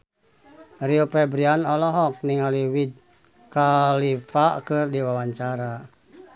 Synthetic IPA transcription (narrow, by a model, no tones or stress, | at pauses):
riopɛbɾianɔlɔɦɔk̚niŋaliwid | kalifakɨrdiwawaɲt͡ʃaɾa